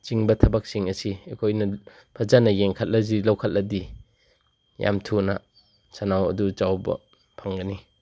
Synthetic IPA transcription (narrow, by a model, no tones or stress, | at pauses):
t͡ʃiŋbɐtʰɐbak̚siŋɐsiekʰojnɐ | pʰɐzanɐjeŋkʰat̚lɐzilɐwkʰat̚lɐdi | ja̰mtʰuna | sanawɐ̰duzawbɐ̰ | pʰaŋɡɐni